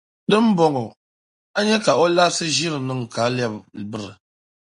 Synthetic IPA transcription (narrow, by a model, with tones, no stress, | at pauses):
dɨ˦m̩˦bɔ˨ŋɔ˨ | a˦ɲɛ˦ka˨o˦la˦sɨ˦ʒi˦ɾɨ˨nɨ˦˨ŋ˨ka˨˦lja˦bbɨ˦ɾɨ̰˨